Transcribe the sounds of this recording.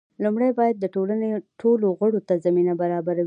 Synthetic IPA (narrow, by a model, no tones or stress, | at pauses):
lumɽajbɑjad̪̚ːəʈolaneʈʰoloɣəɽot̪azaminabaɾɑbaɾawi